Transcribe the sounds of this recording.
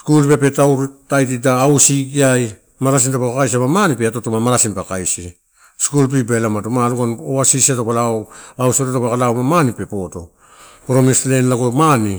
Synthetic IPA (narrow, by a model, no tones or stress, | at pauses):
skulpe̞pe̞tawɾtajt̬idaːwsiɡiaj | maɾas̬intapakakajsiamamanipeatotomamaɾasinpakajsi | skulp̬ibelamatumaɾukanoasisiatopalawawsiotatopakalawmamanipe̞po̞to̞̰ | pɾo̞meslenlaɡomani